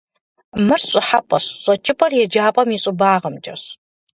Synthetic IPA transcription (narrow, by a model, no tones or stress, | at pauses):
mɨrɕʼɪħapʼɐɕɕʼɐt͡ʃʰʼɪpʼɐrjɛd͡ʒaːpʼɐmiɕʼɪbaːʁɐmd͡ʒɐ̰ɕ